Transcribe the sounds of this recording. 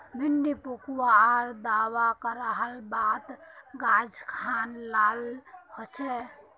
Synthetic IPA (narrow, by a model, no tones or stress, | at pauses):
miɳɖipukwaɾd̪awakəɾəɦəlbat̪ɡad͡ʒkʰanːalhot͡ʃʰɛ